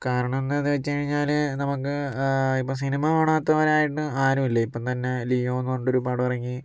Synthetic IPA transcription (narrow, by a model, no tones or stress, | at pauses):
kaːɾɐɳɐme̞nːɨɐðɨʋet͡ɕːɨkɐɻiɲːaːlnɐmukːɨipːɐsinimɐʋɐɳaːt̪ːɐʋɐɾeaːjiʈːɨaːɾumilːɐipːɐmt̪ɐnːe̞lijoːnːuɣoɳɖo̞ɾupaːɽɨpɐrɐŋːi